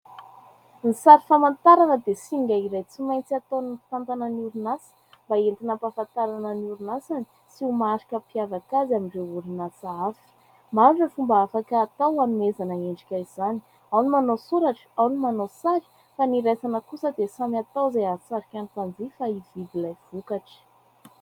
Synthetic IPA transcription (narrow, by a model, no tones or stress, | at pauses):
nisaɾifamant̪aɾanəd̪esiɡʲaiɾajt͡simajnt͡siat̪onifi̥t̪ant̪anənuɾunasə̥mbaent̪inəmpafant̪aɾanənuɾunasani̥ | siumaaɾikʲəpiavakazamiɳɖ͡ʐeuɾinasafi̥ | maɾʈ͡ʂəfumbaafakəːt̪awanumezanəeɳɖ͡ʐikʲaizani | awnimanosuɾaʈ͡ʂə̥awnimanosaɾi̥ | faniɾesanəkusəd̪esamat̪awzajasaɾikʲanit̪and͡zifaivid̪ilajv̥ukaʈ͡ʂi̥